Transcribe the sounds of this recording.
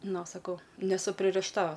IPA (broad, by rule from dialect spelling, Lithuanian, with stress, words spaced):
ˈnoː sɐˈkɐʊ nʲɛˈsʊ pʲrʲɪrʲɪʃˈtɐ